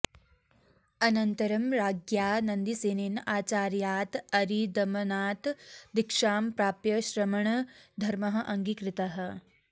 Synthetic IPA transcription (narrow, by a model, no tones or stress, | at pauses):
ɐnɐnt̪ɐɾɐmɾaːɡjaːnɐnd̪iseːneːnaːt͡ʃaːɾjaːt̪ɐɾid̪ɐmɐnaːt̪d̪ikʂaːmpɾaːpjɐʃɾɐmɐɳd̪ʱɐɾmɐɦɐ̆ʔɐŋɡikɾɪt̪ɐɦə̆